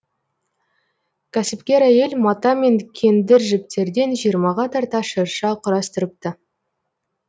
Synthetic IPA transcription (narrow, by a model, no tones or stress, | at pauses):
kʲʰæsɪpkʲe̞ɾæje̞lmɑt̪ɑme̞ŋkʲʰe̞nd̪ɪɾʒɪp̚t̪e̞ɾd̪e̞nʒijəɾmɑʁɑt̪ʰɑɾt̪ɑʃəɾʃɑqʰʊɾɑst̪əɾəp̚t̪ə